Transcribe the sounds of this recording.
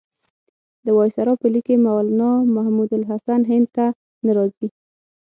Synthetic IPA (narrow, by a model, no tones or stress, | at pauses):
d̪əwɑjsaɾɑpəlikemawalanɑmahmud̪alɦasanɦɪnd̪̚t̪a | naɾɑzi